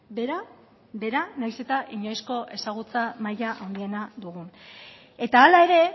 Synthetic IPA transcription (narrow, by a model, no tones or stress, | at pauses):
beɾa | be̞ɾanajse̞t̪aʔiɲojsko̞ʔe̞saɣ̞ut͡samajaʔawnd̪ie̞nad̪uɣ̞un | e̞t̪aːlae̞ɾe̞